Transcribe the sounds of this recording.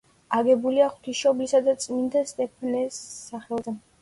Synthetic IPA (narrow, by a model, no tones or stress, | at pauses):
aɡɛbuliaχwt̪ʰiʃɔblisad̪at̪sʼmind̪ast̪ʼɛpʰnɛsːaχɛlˠzɛ